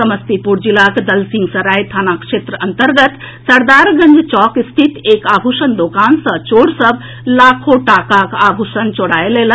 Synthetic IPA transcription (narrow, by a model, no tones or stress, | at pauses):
səməst̪ipuɾd͡ʒilakd̪əlsiŋɡsəɾajt̪ʰanakʃet̪ɾəʔənt̪əɾɡət̪ | səɾd̪aɾɡənd͡ʒt͡ʃɔkist̪ʰit̪ekabʱusənd̪okansə̃t͡ʃoɽsəb | lakʰoʈakakabʱusənt͡ʃoɽaelelə